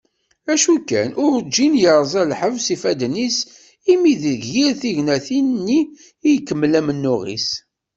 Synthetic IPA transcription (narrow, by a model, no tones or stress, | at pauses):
æʃukːæ̰nʔʊɾd͡ʒːinjəɾˤzˤælħəvsifæd̪nis | imiðəɡiɾθiʝnæθinnːiː | jkːəmːlæmənːʊʁḭs